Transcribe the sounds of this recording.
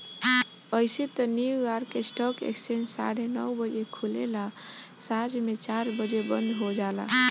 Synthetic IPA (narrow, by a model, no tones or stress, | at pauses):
əjset̪əniwɡaɾkesʈɔkḛksensa̰ɽenəwbəd͡ʒekʰulḛla | sad͡ʒmet͡ʃaɾbəd͡ʒebə̰̃nd̪ʱɦod͡ʒala̰